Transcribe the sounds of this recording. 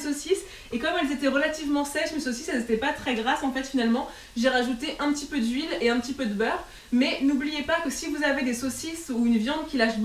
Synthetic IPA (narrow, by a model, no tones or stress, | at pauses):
sosis | ekɔmɛlzet̪ɛʁəlat̪ivmɑ̃sɛʃmesosisɛlzet̪ɛpat̪χɛɡʁasɑ̃fɛt̪finalmɑ̃ | ʒeʁaʒut̪eʔɛ̃pət̪ipød̪ɥileɛ̃pət̪ipød̪əbœʁ | mɛnublijepakəsivuzaved̪esosisuynvjɑ̃d̪kʲilaʃb